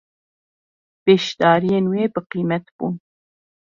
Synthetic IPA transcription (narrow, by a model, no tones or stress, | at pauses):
b̥ɛʃd̪ɑːɾijenweːbɨqiːmɛt̪b̥ṵːn